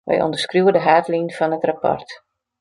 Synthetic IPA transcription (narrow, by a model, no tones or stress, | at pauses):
ʋɛ̰jɔ̰ndərskrjuwədəɦaːtlinfɔnətrapɔ̰rt